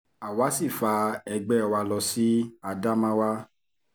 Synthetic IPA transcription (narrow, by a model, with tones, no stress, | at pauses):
a˨wa˨˦si˦˨fa˧ɛ˧ɡ͡bɛ˦ɔ˧˨wa˧lɔ˧si˦a˧da˦mã˦wa˦